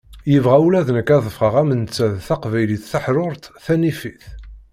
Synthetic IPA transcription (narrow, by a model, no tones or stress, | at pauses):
jəvʁæulæðnəkːæðˤəfʁəʁæmənt͡sːæðθæqvæjliθːəħɾˤʊɾˤt̪θænifiθ